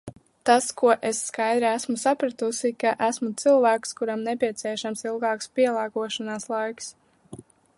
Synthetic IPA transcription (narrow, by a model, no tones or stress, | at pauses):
t̪askuɔʔesːkajd̪ɾiæsmusapɾat̪usikaʔæsmut̪sɨlˠvæːkskuɾamnɛpʲiɛt̪siɛʃamsilˠɡɑːkspiɛlˠɑːɡuɔʃanaːslˠajks